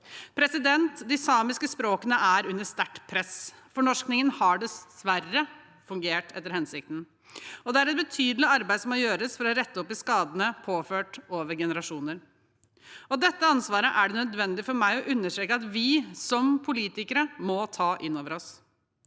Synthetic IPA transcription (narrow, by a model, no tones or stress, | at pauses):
pʰɾɛsɪd̪ɛnt̪d̪ɪsɑːmɪskəspɾoːkənəʔæɾʉnːəst̪æʈːpʰɾɛsfɔɳɔʂknɪŋənhɑɖɛsʋærːə | fʉŋɡeːʈʰɛt̪ːəɾhɛnsɪk̚t̪n̩ | ɔd̪ɛæɾɛt̪̚bət̪ʰyːd̪lɪɑɾbæɪd̪sɔmːɔjøːɾəsfɔɾɔɾɛt̪ːəɔpːɪskɑːd̪ənəpʰoːføːʈoːʋəɾɡɛnəɾɑʂuːnəɾ | ɔd̪ɛt̪ːəɑnsʋɑːɾəʔæɖɛnœd̪ʋɛnd̪ɪfɔɾmæɪɔʔʉnːəʂʈɾeːkəɑt̪ʋɪsɔmpʰʊliːt̪ɪkəɾəmɔt̪ʰɑːʔɪnːoːʋəɾɔs